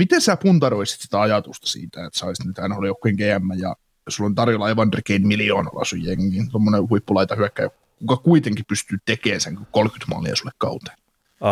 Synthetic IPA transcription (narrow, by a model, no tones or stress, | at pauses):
mit̪ensæpunt̪ɑɾoisi̥t̪si̥t̪æɑjɑt̪ust̪ɑ̥sḭːt̪æet̪sɑist̪nyt̪hænoliokːˑeiŋkeæmːæjjɑ̰ | sulːont̪ɑrjolɑɑiʋɑnrikeinmilioːnɑ̰lːɑ̰sujjeŋːiːnt̪omːonehuipːulɑit̪ɑhyækːæjok | kukɑkuit̪eŋkippyst̪yːt̪ekeːnseŋkolkyt̪mɑ̰ːlḭɑ̰sulːekkɑ̰ut̪e̥n